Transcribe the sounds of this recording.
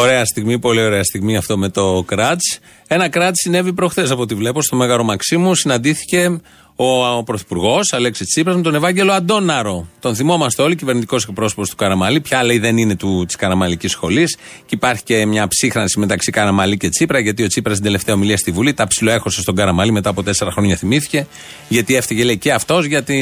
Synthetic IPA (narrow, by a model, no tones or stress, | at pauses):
oɾe̞ɐst̪iɣmipo̞lio̞ɾe̞ɐst̪iɣmiɐft̪o̞me̞t̪o̞kɾɐt̪t͡s | e̞nɐkɾɐt̪sine̞vipɾo̞xθesɐpo̞t̪ivle̞po̞st̪o̞me̞ɣɐɾo̞mɐksimusinɐnd̪iθi̥ce̞ | o̞pɾoθi̥puɾɣo̞sɐle̞kset͡sipɾɐzmet̪o̞ne̞vɐɲɟe̞lo̞ɐd̪o̞nɐɾo̞t̪o̞nθimo̞mɐst̪eo̞licive̞ɾnit̪i̥ko̞sek̚pɾo̞so̞post̪u̥kɐɾɐmɐlipçɐleiðe̞nine̞t̪ut̪i̥skɐɾɐmɐlicisxo̞lis | ceipɐɾçi̥ce̞mɲɐpsixɾɐnsime̞t̪ɐksikɐɾɐmɐlice̞t͡sipɾɐʝɐt̪̬io̞t͡sipɾɐs̬t̪ind̪ele̞ft̪eɐomiliɐst̪ivulit̪ɐpsiloe̞xo̞sest̪o̞ɡɐɾɐmɐlime̞t̪ɐːpo̞t̪e̞se̞ɾɐxɾo̞ɲɐθimiθi̥ce̞ | ʝɐt̪iefθiʝeleiceɐft̪o̞zʝɐt̪i